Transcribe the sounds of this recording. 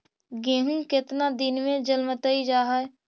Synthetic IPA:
ɡẽːɦũkɪt̪nad̪ɪnmẽd͡ʒəlmət̪əid͡ʒaːɦə

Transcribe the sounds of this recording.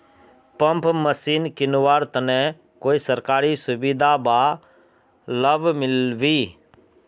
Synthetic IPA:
pə̃mpməsiːnkɪnʋaːɾt̪ənɛ̃ | koːisəɾkaːɾisʊbid̪ʱabaː | ləbmɪlʋiː

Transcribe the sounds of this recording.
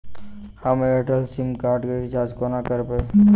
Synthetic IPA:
həmeʈəlsimkaːɾʈkeɾt͡ʃaːd͡ʒkonakəɾpe

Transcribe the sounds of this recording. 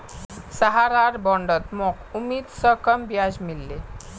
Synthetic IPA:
səɦaɾaɾbɔɳɖət̪mɔkumiːt̪səkəmbjad͡ʑmilːe

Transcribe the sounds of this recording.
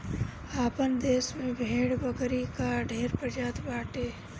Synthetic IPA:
aːpənd̪eːsmẽbʱeːɽbəkɾikaɖʱeːɾpɾəd͡ʒaːt̪baːʈeː

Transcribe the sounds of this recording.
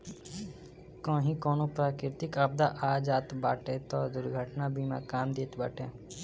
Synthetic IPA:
kõːɦĩkɔːnopɾaːkɪɾt̪ɪkɐb̚d̪aʔaːd͡ʒaːt̪baːʈet̪ɔːd̪ʊɾɡʱəʈnabiːmã̰kaːmd̪eːt̪bəʈʰẽː

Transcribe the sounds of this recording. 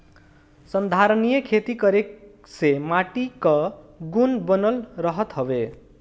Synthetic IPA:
sʌnd̪ʱaɾʌnijʌkʰet̪ikʌɾe | semaʈikʌɡunbʌnʌlrʌɦʌt̪ɦʌbe

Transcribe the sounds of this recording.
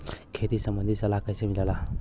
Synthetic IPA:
kʰet̪isəmbənd̪ʱisɐlakajsẽmilala

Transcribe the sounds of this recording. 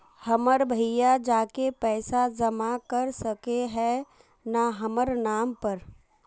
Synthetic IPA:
həməɾbʱəjad͡ʒaːkepɛːsad͡ʒɐmakəɾsəkeɦɛ̃ | naɦəməɾnaːmpəɾ

